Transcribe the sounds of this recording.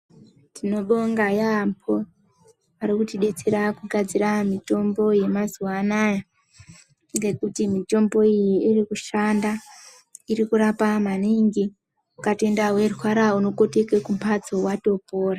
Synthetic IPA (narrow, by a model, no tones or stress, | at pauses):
tino̞ɗo̞ŋɡajampʰo̞ | aɾikutiɗe̞t͡se̞ɾakuɡʱad͡ziɾamito̞mbo̞je̞mazuwanaja | ɡe̞kutimito̞mbo̞ijiirikuʃanda | iɾikuɾapamaniŋɡi | ukate̞ndaɦwe̞rwaɾauno̞ko̞teke̞kumpʰad͡zo̞wato̞po̞ːra